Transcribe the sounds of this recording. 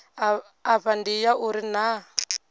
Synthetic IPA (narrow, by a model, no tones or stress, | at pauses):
aɸandijaʔuɾina